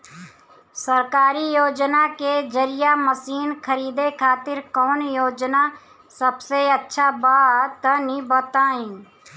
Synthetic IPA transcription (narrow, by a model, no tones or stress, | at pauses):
səɾkaːɾijoːd͡ʒnaked͡ʒəɾijaməsiːnkʰəɾiːd̪ekʰaːt̪ɪɾkɔːnjoːd͡ʒna | səbseətːʃʰabaːt̪ənibət̪aːĩː